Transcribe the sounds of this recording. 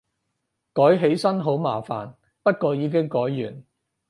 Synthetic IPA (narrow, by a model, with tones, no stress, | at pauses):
kɔː˨˥jɦe˨˥jsɐ˥nɦo˨˥wma̰ː˨˩fa̰ː˨n | pɐ˥t̚kɔː˧jiː˨˧k̬ɪ˥ŋkɔː˨˥jːyː˨˩n